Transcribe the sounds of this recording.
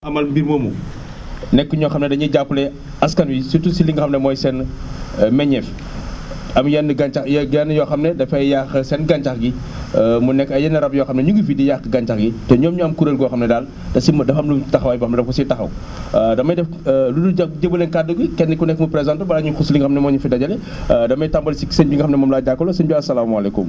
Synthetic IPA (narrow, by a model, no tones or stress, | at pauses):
ɐmɐlbiɾmɐmṵ | nɛkːuɲɔːxɐmnɛdɐɲiɟapːulɛ | ɐskɐnwisitusiliŋɡxɐmnɛmɔːjsɛn | mɛɲɛf | ɐmjɛnːəɡɐnt͡ʃɐxjɡɛnjɔxɐmnɛdɐfɐjjaxəsɛnɡɐɲt͡ʃɐxɡi | munɛkːɐjɛnɐɾɐbjɔːxɐmnɛɲuɡufidijaxəɡɐɲt͡ʃɐxɡitɛɲɔːmɲuɐmkuɾelɡɔxɐmnɛdal | dɐsimdɐfɐmlutɐxɐwɐjbɐxɐmnɛdɐfkɔsitɐxɐ̰w | dɐmːɐjdɛf | luduɟɐɟɐbulɛnkaduɡikɛnːɛkːunɛkːmɐpɾɛzantɐbɐlɐɲuxusiliŋɡxɐmnɛmɔːɲufidɐɟɐlɛ | dɐmɐjtambɐlsisenbiŋɡxɐmnɛmɐmlaɟakːɔlɔsenbiɐsɐlaːmuɐlekṵm